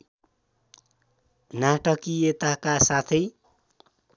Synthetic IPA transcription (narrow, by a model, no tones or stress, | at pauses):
naʈʌkiet̪akasat̪ʰʌj